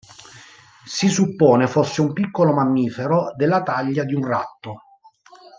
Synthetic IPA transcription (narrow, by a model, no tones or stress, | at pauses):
sisupːoːnefosːeumpikːolomamːiːfeɾod̪elːat̪aʎːad̪iunrat̪ːo